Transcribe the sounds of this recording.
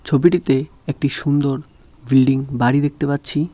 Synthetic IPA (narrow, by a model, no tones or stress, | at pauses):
t͡ɕʰobiʈit̪e | ek̚ʈiʃund̪oɾ | bilɖiŋbaɽid̪ek̚ʰt̪epat̪ːɕʰi